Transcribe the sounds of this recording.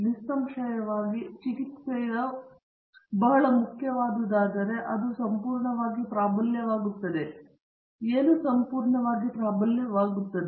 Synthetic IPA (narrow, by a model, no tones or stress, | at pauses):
list̪ɐmʃɐjɐʋaːɡit͡ʃikit̪sejɐ | bɐɦɐɭɐmukʰjɐʋaːd̪ɐd̪aːd̪ɐɾe̞ʔɐd̪usɐmpuːɾɳɐʋaːɡipɾaːbɐljɐʋaːɡut̪ːɐd̪e | eːnusɐmpuːɾɳɐʋaːɡipɾaːbɐljɐʋaːɡut̪ːɐd̪e